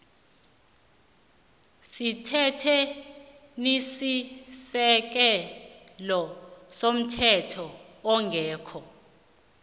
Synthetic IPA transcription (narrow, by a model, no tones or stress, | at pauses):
sitʰɛtʰɛ | nisisɛk̬ɛ | lɔsom̩tʰɛtʰɔ | ɔŋɡʱɛːkʰɔ